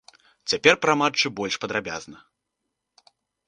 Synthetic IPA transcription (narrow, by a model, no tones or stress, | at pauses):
t͡sʲapʲɛrpɾamat͡ʂːɨbɔlʲʂpɐd̪ɾabʲa̰znɐ